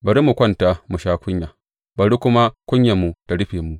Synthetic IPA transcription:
bɐ˨ɾi˦mu˨kʷɐ˦nta˨mu˨ʃaː˦kʷʊ˦ɲja˨ | bɐ˨ɽi˦kʷʊ˦ma˦kʷʊ˦ɲja˨mːu˨ta˨ɽɪ˦ɸeː˨mu˨

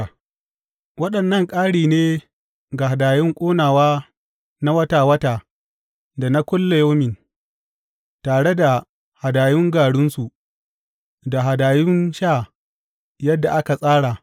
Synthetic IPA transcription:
wɐ˦ɗɐ˨nːɐ˦˨ŋkʼaː˦ɽiː˨neː˦ | ɡa˨ɦa˨daː˨jɪ˦ŋkʷʼoː˦naː˨waː˦ | na˦wɐ˦taː˨wɐ˦taː˨ | da˨na˦kʷʊ˦lːa˨ja˦mɪ˨n | taː˨ɽe˦da˨ | ha˨daː˨jʊ˦ŋɡaː˨ɽʊ˦nsu˨ | da˨ɦa˨daː˨jʊ˦nʃaː˦˨ | jɐ˦dːa˨ʔa˦ka˨sʼaː˦ɽa˨

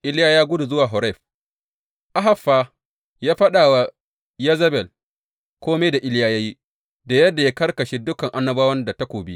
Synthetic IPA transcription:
ʔɪ˦ljaː˦jaː˦ɡʷʊ˦du˨zʊ˦waː˨ɦɔ˨ɾɛ˦˨ɸ | ʔa˦ɦa˨fːaː˦ | jaː˦ɸɐ˦ɗaː˨wa˦ | ja˦zɐ˦bɛ˨l | kʷoː˦me˦da˨ʔɪ˦ljaː˦jaː˦ji˦ | da˨jɐ˦dːa˨jaː˦kɐ˦rkɐ˨ʃeː˦dʊ˦kɐ˨ŋʔa˦nːɐ˦baː˦wɐ˦nda˨ta˦kʷoː˨bi˦ʔ

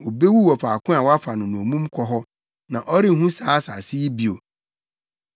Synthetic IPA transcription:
o˨be˦wu˦wɔ˨faː˨kʰʊ̃˦a˨wɔ˦a˦fa˨nʊ̃˨nʊ̃˨o˨mũ˦mkʰɔ˦ɦɔ˦ | nã˨ʔɔ˦ɾɪ˦ŋ̩˨ɦũ˦sãː˨˦sa˨si˦i˦bi˦o˨

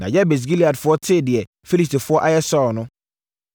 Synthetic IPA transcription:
nã˨jɛ˦be˨s̬ɡi˦li˨a˨dfʊ˦ɔ˦tʰe˦˨dɪ˨ɛ˨ | fi˦li˨sti˨fʊ˦ɔ˦ʔa˦jɛ˦sɔ˦˨nʊ̃˦

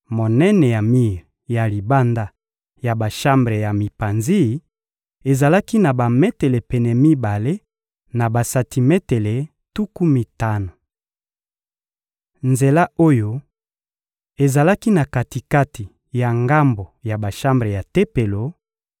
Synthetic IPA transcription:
mo˨nɛ˦nɛ˨ja˨mi˦ʁja˨li˨ba˦nda˦ | ja˨ba˨ʃa˦mbʁe˨ja˨mi˨pa˨nzi˦˨ | e˨za˨la˦ki˦na˨ba˨mɛ˦te˨le˨pɛ˨nɛ˨mi˦ba˨le˦ | na˨ba˨sa˨ti˨mɛ˦te˨le˨ | tu˦ku˦mi˨ta˦na˨ | nze˨la˦o˦jo˦ | e˨za˨la˦ki˦na˨ka˨ti˨ka˦ti˨ | ja˨ŋɡa˦mbo˨ja˨ba˨ʃa˦mbʁe˨ja˨te˦pe˨lo˨

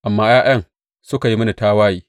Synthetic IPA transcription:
ʔa˨mːaː˦jaː˦j̰ɐ˦ŋ | sʊ˦ka˨ji˦mɐ˦na˨taː˦waː˦jiː˦

